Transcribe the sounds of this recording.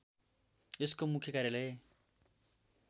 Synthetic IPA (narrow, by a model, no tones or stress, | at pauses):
eskomukʰjʌkaɾjalʌje